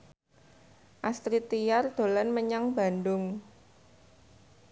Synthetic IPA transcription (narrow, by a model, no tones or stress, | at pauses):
ʔast̪ɾit̪ijard̪̥o̤lanməɲaŋba̤ndʊŋ